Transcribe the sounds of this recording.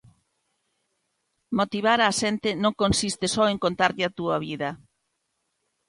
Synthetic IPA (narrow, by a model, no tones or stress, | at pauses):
mot̪iβ̞aɾaːʃent̪ɪnõŋkonsist̪ɪsɔeŋkont̪aɾʎɪat̪uɐβiðɐ